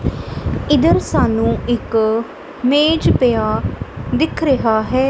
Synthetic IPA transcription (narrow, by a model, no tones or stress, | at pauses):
ɪd̪əɾsaːnũːɪk | meːd͡ʒpɪjaːd̪ɪkʰɾəɦaːɦɛː